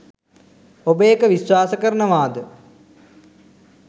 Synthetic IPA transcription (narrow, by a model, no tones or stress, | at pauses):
obəjekəʋisʋaːsəkəɾənəʋaːd̪ə